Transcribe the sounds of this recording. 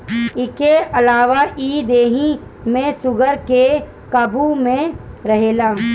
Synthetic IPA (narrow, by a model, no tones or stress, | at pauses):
ɪkeɐlaːʋaʔiːd̪eːɦi | mẽsʊɡəɾke | kɐbumẽɾɐɦeːlaː